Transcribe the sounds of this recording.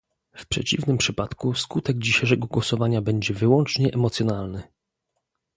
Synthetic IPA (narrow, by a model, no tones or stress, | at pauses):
fpʂɛ̰t͡ɕivnɘmpʂɘpat̪kuskut̪ɛɡd͡ʑiɕajʂɛɡɔɡwɔsɔvaɲabɛɲd͡ʑɛvɘwɔnt͡ʂɲɛʔɛmɔt̪sʲjɔnalnɘ